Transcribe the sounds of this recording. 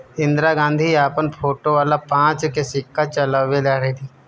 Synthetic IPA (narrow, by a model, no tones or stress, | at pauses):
ɪ̃nd̪ɾaɡãːnd̪ʱiaːpənpʰoːʈoʋaːlapãːt͡ʃkesɪkːat͡ʃɐlaʋelaːɾɛd̪i